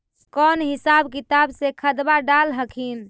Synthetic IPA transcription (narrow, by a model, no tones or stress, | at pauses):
kɔnɦisabkit̪absekʰəd̪baɖalɦəkʰin